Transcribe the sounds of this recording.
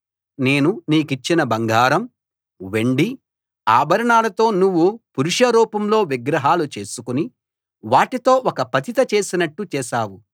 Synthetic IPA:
ne̞ːnuniːkit͡ʃːinɐbɐŋɡaːɾɐm | ʋeɳɖi | a̰ːbʱɐɾɐɳaːlɐt̪o̞ːnuʋːupuɾuʂɐɾuːpɐmlo̞ːʋiɡɾɐɦaːlut͡ʃe̞ːsukuni | ʋaːʈit̪o̞ːɔkɐpɐt̪it̪ɐt͡ʃe̞ːsinɐʈːut͡ʃɛːʃaːwu

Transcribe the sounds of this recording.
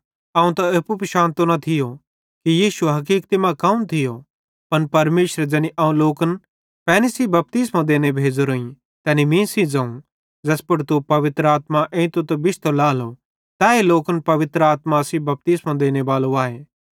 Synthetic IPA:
aːũt̪aepupʃãːnt̪onɐt̪ʰɪjo | kijiːʃuɦɐkiːkt̪imãkɐũnt̪ʰɪjo | pɐnpɐɾmeːʃɾed͡ʒɛːniʔaːũloːkən | pɛːnisibɐp̚t̪ismãd̪eːnebʱeːd͡zoɾoːĩ | t̪ɛːnimĩːsid͡zɐ̃ũ | d͡zɐspɐɽt̪upɐʋɪt̪ɾəaːt̪maʔẽːt̪ot̪ebɪʃt̪ʰolaːlo | t̪ɛːeloːkənpɐʋɪt̪ɾəaːt̪masibɐp̚t̪ismãd̪eːneʋaːloaːeː

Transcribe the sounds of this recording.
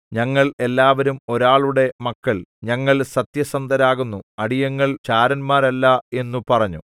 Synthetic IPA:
ɲɐŋːɐɭe̞lːaːʋɐɾumo̞ɾaːɭuɽe̞mɐkːɐɭɲɐŋːɐɭsɐt̪jɐsɐnd̪ʱɐɾaːɣunːuɐɽijɐŋːɐɭt͡ɕaːɾɐnmaːɾɐlːɐe̞nːupɐrɐɲːu

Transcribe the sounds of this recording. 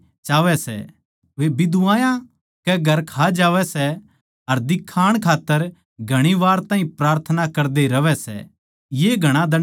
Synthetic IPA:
t͡ʃaːʋɛsɛ̰ | ʋebɪd̪uʋãːjã | kɛɡʱɐɾkʰad͡ʒaːʋɛsɛ | ɐɾd̪ɪkʰːaːɽ̃kʰaːt̪ːəɾ | ɡʱɐɽ̃iʋaːɾt̪ãːɦĩpɾaːɾt̪ʰənakɐɾd̪eɾɐʋɛsɛ̰ | jeːɡʱɐɽ̃ãd̪ɐ

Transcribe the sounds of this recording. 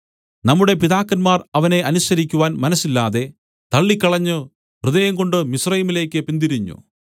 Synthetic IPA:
nɐmːuɽe̞piðaːkːɐnmaːrɐʋɐne̞ʔɐnusɐɾikʲːuʋaːnmɐnɐsːilːaːðe̞ | t̪ɐɭːikʲːɐɭɐɲːɨ | hrɨðɐjɐŋko̞ɳɖɨmisrɐjimile̞ːkʲːɨpind̪iɾiɲːṵ

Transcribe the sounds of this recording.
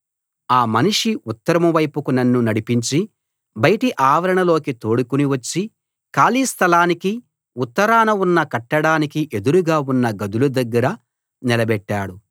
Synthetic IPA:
aːmɐniʂiut̪ːɐɾɐmɐʋɐjpukunɐnːunɐɽipiɲt͡ʃi | bɐjɐʈiʔaːʋɐɾɐɳɐlo̞ːkit̪o̞ːɽukuniʋɐt͡ʃːi | kaːliːst̪ʰɐlaːniki | ut̪ːɐɾaːnɐunːɐkɐʈːɐɽaːnikiʔe̞d̪uɾuɡaːunːɐɡɐd̪ulud̪ɐɡːɐɾɐ | nɛlɐbɛʈːaːɽu

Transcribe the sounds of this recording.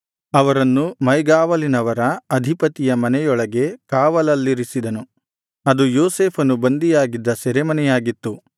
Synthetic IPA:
ɐʋɐɾɐnːumɐjɡaːʋɐlinɐʋɐɾɐɐd̪ʱipɐt̪ijɐmɐnɛjɔɭɐɡe̞kaːʋɐlɐlːiɾisid̪ɐnu | ɐd̪ujoːseːpʰɐnubɐnd̪ijaːɡid̪ːɐsɛɾemɐnɛjaːɡit̪ːu

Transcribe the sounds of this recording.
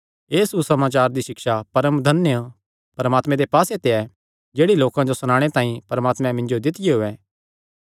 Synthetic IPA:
eːsusɐmaːt͡ʃaːɾd̪iʃɪkʃapɐɾəmd̪ʱɐnjə | pɐɾəmaːt̪mɛ̃d̪epaːset̪eɛ | d͡ʒeːɽiloːkãd͡ʒosʊñaːɽ̃et̪ãːĩpɐɾəmaːt̪mɛ̃mɪ̃nd͡ʒod̪ɪt̪ɪjeɦʊɛː

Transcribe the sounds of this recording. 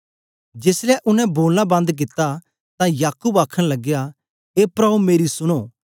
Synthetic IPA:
d͡ʒeːslɛʔʊnɛ̃boːlnãbɐ̃nd̪k̬ɪt̪a | t̪ãjaːkubaːkʰəɽ̃lɐɡja | eːpɾɐbumeːɾisʊɽ̃oː

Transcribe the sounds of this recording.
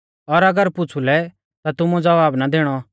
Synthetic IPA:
ɔɾɐɡəɾpʊt͡sʰulɛ | t̪at̪ʊmud͡zɐʋaːbnad̪eːɽ̃ɔ

